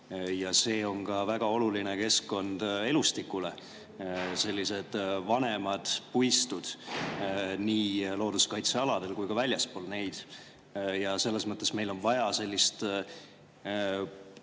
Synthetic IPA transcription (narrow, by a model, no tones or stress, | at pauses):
jɑse̞ːo̞ŋkɑvæɡ̥ɑo̞lulineke̞skkːo̞nd̪̥e̞lust̪ikːˑule̞ | se̞lʲːise̞d̪̥vɑne̞mɑd̪̥pujst̪ud̪̥ | niːlo̞ːd̪uskɑjt̪seɑlɑd̪̥e̞lkujkɑvælʲjɑspo̞ːlne̞jd̪̥ | jɑse̞lːe̞smɤt̪ˑːe̞sme̞jlo̞nvɑjɑse̞lʲːist̪